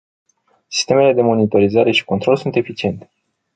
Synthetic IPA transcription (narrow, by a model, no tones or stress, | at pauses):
si̥st̪e̞me̞le̞d̪e̞mo̞nit̪o̞ɾizaɾe̞ʃi̥ko̞nt̪ɾo̞lsunt̪e̞fit͡ʃie̞nt̪e̞̥